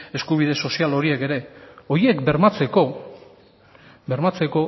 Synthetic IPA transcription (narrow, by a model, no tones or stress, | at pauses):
e̞skuβ̞iðe̞so̞sialo̞ɾie̞ke̞ɾe̞o̞je̞kbe̞ɾmat͡se̞ko̞ | be̞ɾmat͡se̞ko̞